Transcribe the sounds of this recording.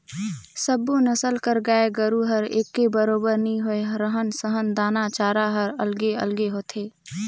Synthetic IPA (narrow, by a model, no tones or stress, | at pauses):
səbːonəsəlkəɾɡaːeɡəɾuɦəɾḛːkːebəɾoːbəɾnĩɦoeɾəɦənsəɦənd̪aːnat͡ʃaːɾaɦəɾə̰lɡeə̰lɡeɦoːt̪ʰeː